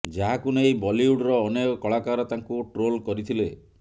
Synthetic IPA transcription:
d͡ʒaɦakunejbɔliuɖɾɔːneɔkɔɭakaɾɔt̪aŋkuʈɾolkɔɾit̪ʰile

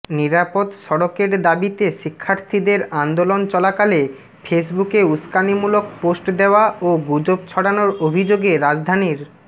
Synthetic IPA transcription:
niɾapod̪ʃɔɽokeɾd̪abit̪eʃikʰːaɾt̪ʰid̪eɾand̪olont͡ɕɔlakale | fʰes̬bukeuskanimulok̚posʈd̪eoaoɡud͡ʑob̚t͡ɕʰɔɽanoɾobʱid͡ʑoɡeɾad͡ʑd̪ʱaniɾ

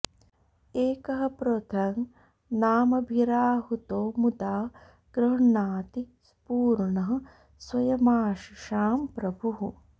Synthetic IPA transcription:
eːkɐɦɐ̆pɾot̪ʰɐŋ | naːmɐbʱiɾaːɦut̪oːmud̪aː | ɡ̥ɾɐɦɐɳaːt̪ispuːɾɳɐɦɐ̆ | swɐjɐmaːʃiʃaːmpɾɐbʱuɦu

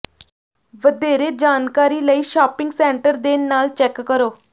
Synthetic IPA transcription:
ʋəd̪eːɾeːd͡ʒaːnkaːɾiːləiːʃaːpɪ̃ŋɡsɛ̃ːɳʈəɾd̪eːnaːlt͡ʃɛːkːəɾoː

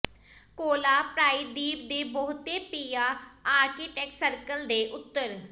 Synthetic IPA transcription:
koːlaːpɾaːiːd̪iːp̚d̪eːbəɦʊt̪eːpiːaːaːɾkiːʈɛːksəɾkəld̪eːʔʊt̪ːəɾ

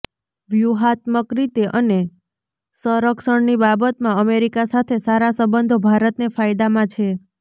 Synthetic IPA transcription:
ʋjuɦat̪məkɾit̪eʔəne | səɾəkʃəɳnibabət̪mãəmeɾikasat̪ʰesaɾasəbənd̪ʱobʱaɾət̪nefajd̪amãt͡ʃʰe

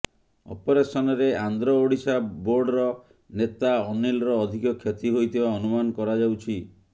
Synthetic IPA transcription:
ɔ̰pɔɾesɔnɔɾeand̪ɾɔoɽisaboɾɖɾɔ | net̪aɔnilɾɔːd̪ʱikɔkʰjet̪iɦojt̪ibaɔnumanɔkɔɾad͡ʒawt͡ʃʰi

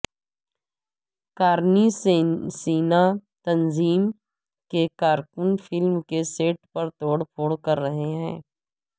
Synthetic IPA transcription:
kaːɾnissiːnat̪ɐnziːm | kekaːɾkʊnfɪlmkeseːʈpɐɾt̪oːɽpʰoːɽkɐɾːɐɦeɦɛ̃ː

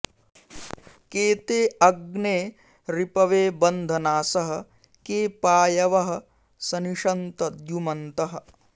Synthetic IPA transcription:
keːt̪eːɐɡneː | ɾipɐʋeːbɐnd̪ʱɐnaːsɐɦɐ̆ | keːpaːjɐʋɐɦɐ̆ | sɐniʂɐnt̪ɐd̪jumɐnt̪ɐɦɐ̆

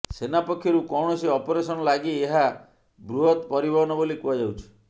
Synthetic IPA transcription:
senapɔkʰːjɔɾukɔwɳ̃ɔsiɔpɔɾesɔnɔlaɡieɦa | bɾuɦɔt̪pɔɾibʱɔɦnɔbolikuad͡ʒawt͡ʃʰi̥

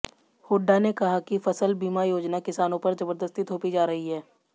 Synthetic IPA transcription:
hoːɖːanekɐɦakifɐsəlbiːmajoːd͡ʒnakɪsaːnõpɐɾzɐbəɾd̪əst̪it̪ʰoːpid͡ʒaːɾɐɦiɦɛː

